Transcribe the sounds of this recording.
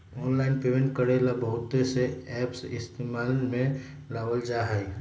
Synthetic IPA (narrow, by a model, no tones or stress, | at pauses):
ɔːnlaːɪnpemẽɳʈ̚kəɾelabəɦʊt̪ːeseɛːpsɪst̪eːmaːlmẽ | laːwəld͡ʒaːɦai